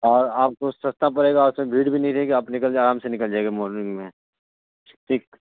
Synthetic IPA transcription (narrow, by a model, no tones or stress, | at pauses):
ɔːɾaːp̚kosɐst̪ʰap̬ɐɾeːɡaʊsmẽbʱiːɽbʱinɐɦĩɾɐɦeɡiaːpnɪkəlaːɾaːmsenɪkəld͡ʒaːeɡemoːɾnɪ̃ŋmẽ | ʈʰiːk